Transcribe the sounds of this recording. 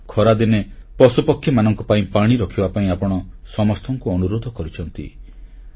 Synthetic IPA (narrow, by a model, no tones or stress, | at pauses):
kʰɔɾad̪inepɔsupɔkʰːjɔmanɔŋkɔpaĩpaɽ̃iɾɔkʰibapaĩapɔɽ̃ɔsɔmɔst̪ʰɔŋkuɔnuɾod̪ʱɔkɔɾit͡ʃʰɔnt̪ḭ